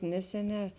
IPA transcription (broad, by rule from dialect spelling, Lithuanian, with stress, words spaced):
ˈnʲæːsʲɛˌnʲɛː